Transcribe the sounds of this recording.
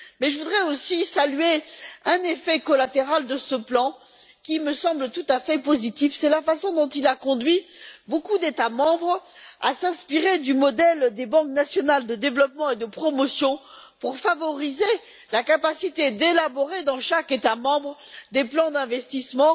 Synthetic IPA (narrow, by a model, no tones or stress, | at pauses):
mɛʒəvud̪ʁɛosisalɥeɛ̃nefɛkɔlat̪eʁald̪əsəplɑ̃ | kʲiməsɑ̃blət̪ut̪afɛpozit̪ifsɛlafasɔ̃d̪ɔ̃t̪ilakɔ̃d̪ɥibokud̪et̪amɑ̃bʁa̰sɛ̃spiʁed̪ymɔd̪ɛld̪ebɑ̃knasjɔnald̪əd̪evlɔpmɑ̃ed̪əpχɔmɔsjɔ̃ | puʁfavɔʁize | lakapasit̪ed̪elabɔʁed̪ɑ̃ʃaket̪amɑ̃bʁd̪eplɑ̃d̪ɛ̃vɛst̪ismɑ̃